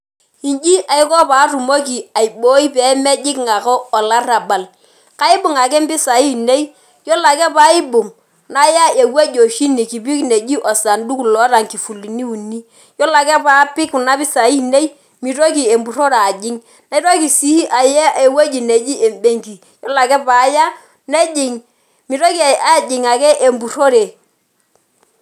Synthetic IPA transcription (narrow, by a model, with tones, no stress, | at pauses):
i˨nd͡ʒi˦ʔa˨ɪ˦kɔ˦pa˨˦ru˨mo˦ki˨a˨i˨bo˦i˦pɛ˨˦mɛ˦d͡ʒɪ˦kŋa˨kɔː˦˨la˦ɾa˨ba˨l | ka˦ɪ˦bʊ˨ŋa˨kɛ˦m˦bɪ˦sa˨i˦˨ne˦i˦ | jo˦la˨kɛ˦pa˦ɪ˦bʊ˨ŋ | na˦ja˦e˨we˦d͡ʒo˨ʃi˦ni˨ki˨bi˦kne˨d͡ʒi˦ʔɔ˨sa˨ndu˦klɔ˦ɾa˨ŋki˨fu˨li˨ni˦u˨ni˦ | jɔ˦la˨kɛ˦pa˦pɪ˦kna˦bɪ˦sa˨i˦ne˦i˦ | mi˨ɾo˦ki˨e˨mbu˨ɾo˦ɾa˨d͡ʒɪ˦ŋ | na˦i˦ɾo˦ki˨si˦ʔa˨jɛ˦e˨we˦d͡ʒi˨ne˨d͡ʒi˦ʔe˨mbe˦ŋki˨ | jɔ˦la˨kɛ˦pa˨˦ja˦ | nɛ˦d͡ʒɪ˨ŋ | mi˨ɾo˦ki˨a˦˨d͡ʒɪ˨ŋa˨kɛ˦ʔe˨mbu˨ɾo˦ɾe˨